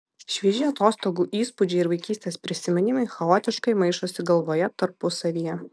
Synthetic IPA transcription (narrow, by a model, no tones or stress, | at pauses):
ʃʲʋʲiːʒʲɛɐt̪oːst̪oːɡuːʔiːspʊd͡ʒʲɛɪɪɾʋɐɪkʲiːsʲt̪ʲeːspʲɾʲɪsʲɪmʲɪnʲɪmɐɪxɐoːt̪ʲɪʃkɐɪmɐɪʃoːsʲɪɡɐlˠʋoːjɛt̪ɐɾpʊsɐʋʲijɛ